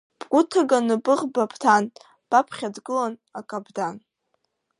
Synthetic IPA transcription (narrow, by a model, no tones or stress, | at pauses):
pʼʷutʰaɡanɨbɨʁbapʰʼtʰan | b̥apʰχʲadɡɨlanakʼabdan